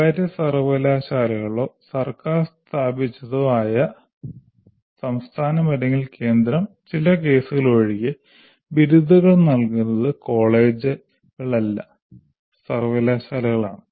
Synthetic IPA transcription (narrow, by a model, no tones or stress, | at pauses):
ɐːɾɐsɐrʋɐlaːɕaːlɐɣɐɭo̞ːsɐrkaːrst̪ʰaːbit͡ɕːɐðoaːjɐ | sɐmst̪ʰaːnɐmɐɾɐŋɡilke̞ːnd̪ɾɐm | t͡ɕilɐk̬e̞ːsuɣɐloɻiɣɨ | biɾud̪ʱɐɣɐɭnɐlkunːɐðɨko̞ːɭe̞ːd͡ʑɨ | ɣɐɭɐlːɐ | sɐrʋɐlaːɕaːlɐɣɐɭaːɳɨ